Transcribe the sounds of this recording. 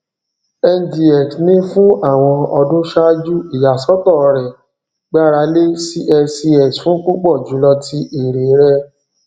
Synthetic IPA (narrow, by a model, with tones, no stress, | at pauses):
ɛ˧ndi˨ɛ˨knĩ˦fũ˦a˦˨w̃ɔ̃˧ɔ˧dũ˦ʃa˦d͡ʒu˦i˦˨ja˨sɔ˦tɔ˦˨˧ɾɛ˨ | ɡ͡ba˦ɾa˨˧˦le˦si˦ʔɛ˧si˧ɛ˨sfũ˨˦k͡pu˦k͡pɔ˦˨d͡ʒu˨˦lɔ˧ti˧˦ʔe˨ɾe˨˦ɾɛ˧